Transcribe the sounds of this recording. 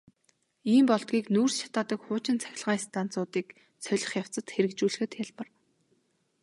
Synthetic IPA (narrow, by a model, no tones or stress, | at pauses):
iːmpɔɮt̪ɡʲiːknuːrsʃḁt̪aːt̪ə̆kχʊːt͡ɕɪ̆nt͡sʰæ̥xʲɪ̆ɮʁaːst̪ʰan̥t͡sʊːt̪iːk | t͡sʰœɮʲɪ̆χjaw̥t͡sə̆t̪xeɾɘ̆kt͡ɕuːɮɘ̆xɘ̆t̪jaɮpə̆r